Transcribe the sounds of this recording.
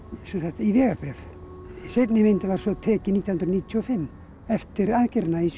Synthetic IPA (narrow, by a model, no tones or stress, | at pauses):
sɛnsakt̪ivɛːɣapɾɛːf | sejt̪nɪmɪnt̪ɪvaɾ̥sɔt̪ʰɛːcɪnit̪jahʏnɾaniːt̪ʰjuɔfɪmː | ɛft̪ɪɾaðcɪɾnai